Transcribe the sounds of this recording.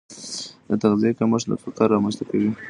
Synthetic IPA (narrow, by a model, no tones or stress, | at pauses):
d̪ət̪aɣzijekamaʃd̪ə̰fakɑɾːɑmanst̪akawi